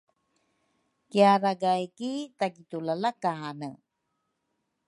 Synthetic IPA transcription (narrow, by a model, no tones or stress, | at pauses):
kiaɾaɡajkitaɡitulalakanə